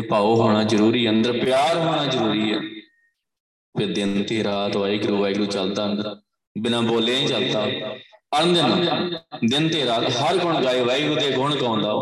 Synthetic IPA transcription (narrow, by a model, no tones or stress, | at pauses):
epaːoːɦoːɽ̃aːzəɾuːɾiːənd̪əɾpjaːɾɦoːɽ̃aːzəɾuːɾiːɛː | peːd̪ɪnt̪eːɾaːt̪ʋaːiːɡɾuːʋaiɡɾuːt͡ʃəld̪aːənd̪əɾ | bɪnãːboːleːĩːt͡ʃəld̪aːənd̪ənaːd̪ɪnt̪eːɾaːt̪ɦəɾkʊɳɡaːiːʋaiɡɾuːt̪eːɡʱʊɳkãːʊ̃nd̪aː